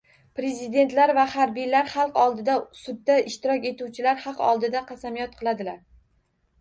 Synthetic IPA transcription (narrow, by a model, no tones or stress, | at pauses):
pɾe̞zɪd̪e̞nt̪laɾvahaɾbijlaɾχɑlˠqɒlˠd̪ɪd̪asʊd̪ːaɪʃt̪ɪɾɒkʲe̞t̪uwt͡ʃʰɪlaɾχɑqɒ̰lˠd̪ɪd̪aqʰɑsamijɒt̪̚qʰɨlˠad̪ɪlaɾ